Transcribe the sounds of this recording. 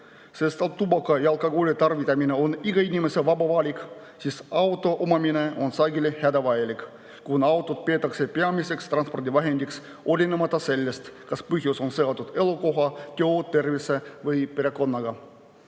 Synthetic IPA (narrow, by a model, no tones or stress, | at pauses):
sest̪ɑt̪ːubɑkːɑjɑlkːɑɡolʲet̪ɑrvit̪ːɑmineoniɡɑinʲimeseʋɑbɑʋɑlʲik | sisɑwt̪ːˑo̞ʔomɑmineonsɑɡilehæd̪ɑʋɑjelʲik | kunɑwt̪ːˑot̪̚peːt̪ːˑɑksepeɑmisekst̪rɑnspo̞rd̪ʲiʋɑɦend̪̥ʲiks | olʲinemɑt̪ˑːɑselʲːest̪kɑspɨhjusonseɑt̪ːut̪elokoɦɑt̪ʲeot̪ːe̞rvisevɯjpeɾeko̞nːɑɡɑ